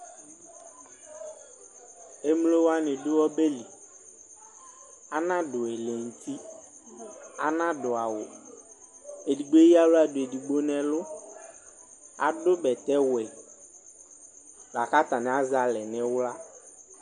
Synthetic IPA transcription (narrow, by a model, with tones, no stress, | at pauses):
e˦m˦lo˦wa˦nɪ̃˨dʊ˦wɔ˦be˦li˨ | a˦nã˦dʊ˨ɛ˨le˨ŋ̩˨t̪ʰi˦ | a̰˨nã˦dʊ˨a˨wʊ˨ | e˨di˨ɡ͡bo˦ji˦a˦lʊ˦a˦˨dʊ˨e˨di˨ɡ͡bo˦nɛ̃˨lʊ˦ | a̰˨dʊ˦bɛ˨t̪ɛ˦wɛ˨ | la˨ka˦t̪a˨nɪ̃˨a˦za˨lɛ˨nɪ̃˦wla˦